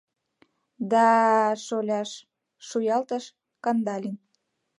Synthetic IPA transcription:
d̪ɑʃolʲɑʃ | ʃujɑlt̪əʃ | kɑnd̪ɑlʲin

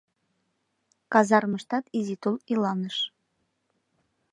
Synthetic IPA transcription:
kɑzɑɾməʃt̪ɑt̪izit̪ulˠilɑnəʃ

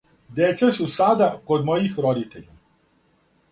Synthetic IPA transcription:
d̪et̪sesusad̪ako̞d̪mojixɾod̪it̪eʎa

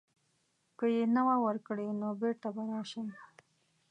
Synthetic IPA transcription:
kəjenawawəɾkɽenobeɾt̪abaɾɑʃəm

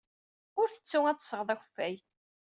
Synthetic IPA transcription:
ʊɾθə̥t͡sːuŋæt͡sːsəʁðˤæxəfːæj

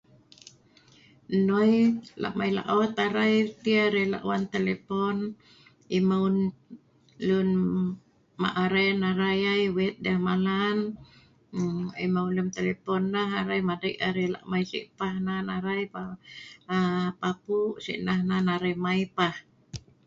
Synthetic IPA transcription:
nojla̰ʔmajla̰ʔɔt̪aɾajt̪iaɾɛla̰ʔwant̪elepɔn | imaun | lun | ma̰ʔaɾenaɾajajwɛt̪̚dahmalan | imauləmt̪elepɔnːaɦaɾajmadiʔaɾɛla̰ʔmajsḭʔpahnanaɾajpa | papuʔsḭʔnahnanaɾemaipah

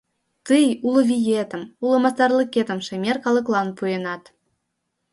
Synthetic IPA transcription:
t̪ɨjuloβʲijet̪ə̆mulɤ̆mɑst̪ɑrlə̆ket̪ə̆mʃemʲerkɑlˠɤ̆klˠɑnpuenɑt̪

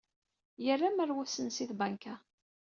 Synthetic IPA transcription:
jərːaməɾwæsənsiθbaŋka

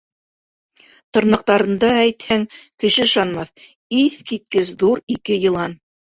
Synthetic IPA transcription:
t̪ŏɾnɤ̆q̚t̪ɑɾɤ̆nd̪ɑæjt̪hæŋkɘ̆ʃɘɤ̆ʃɑnmɑθ | iθkit̪̚kɘsðuɾikɘjɤ̆lˠɑn

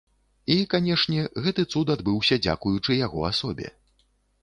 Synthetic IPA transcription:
ikanʲɛʂnʲɛɣɛt̪ɨt̪sut̪ad̪bɨwsʲɐd͡zʲa̰kujut͡ʂɨjaɣɔ̰asɔbʲɛ̰

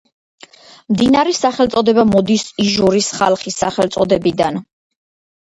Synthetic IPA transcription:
md̪inaɾɛsaχɛlˠt̪sʼɔd̪ɛbamɔd̪isiʒuɾisχalˠχisaχɛlt̪sʼɔd̪ɛbid̪an

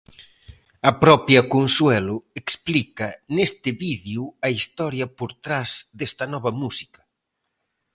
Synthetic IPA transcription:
ɐpɾɔpjɐkonswɛlʊeksplikɐnest̪ɪβiðjuɐist̪ɔɾjɐpoɾt̪ɾazd̪est̪ɐnɔβɐmusi̥kɐ̥

